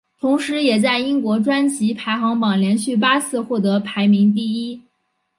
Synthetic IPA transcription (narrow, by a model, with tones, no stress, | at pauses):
t̪ʰʊ˧˥ŋʂɻ̩˧˥jɛ˨˩t͡sa˥˩ɪi˥ŋkwɔ˧˥ʈ͡ʂwa˥nt͡ɕʰi˧˥pʰa˧˥ɪxɑ˧˥ŋpɑ˨˩ŋljɛ˧˥nɕy˥˩p̬a˥t͡sʰɹ̩˥˧xwɔ˥˩t̪ɤ˧˥pʰa˧˥ɪmi˧˥ŋt̪̬i˥˩i˥